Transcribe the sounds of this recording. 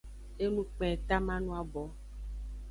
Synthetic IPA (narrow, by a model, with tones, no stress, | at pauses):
e˦nũ˦k͡pɛ˨t̪a˦mã˦nũ˦a˨bɔ˨˦